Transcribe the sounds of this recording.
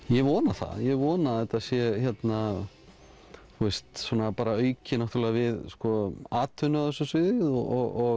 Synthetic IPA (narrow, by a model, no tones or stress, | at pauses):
jɛvɔːnaθa̰ðjɛvɔːnaɛt̪asjɛçjɛt̪na | θuɛst̪sɔːnapaːɾaœːɥcɪnaht̪ʏɾlɛɣavɪðskɔaːt̪ʰʏnʏaðɛsːʏsvɪðɪðɔ̰ɔɣɔɣ